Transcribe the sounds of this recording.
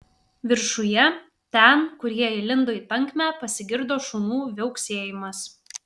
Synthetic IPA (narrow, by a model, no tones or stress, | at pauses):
ʋʲɪɾʃʊjɛ | t̪ʲɛnkʊɾʲiɛɪlʲɪnd̪oːiːt̪ɐŋʲˑkʲmʲæːpɐsʲɪɡʲɪɾd̪oːʃuːnuːʋʲɛʊksʲeːjɪmɐs